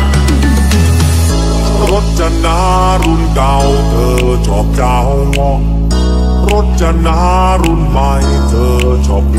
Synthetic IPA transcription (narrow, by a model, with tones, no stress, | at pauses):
ɾo˦˥t̪̚t͡ɕa˧naː˧˦˥ | ɾu˧˥nka˧w | t̪ʰɤː˧ | t͡ɕʰɔ˨˥p̚jaː˧ho˧wɔ˧˩ | ɾo˦˥t̪̚t͡ɕa˧naː˦˥ | ɾu˧˥nma˧j | t̪ʰɤː˧˩ | t͡ɕʰɔ˨˦p̚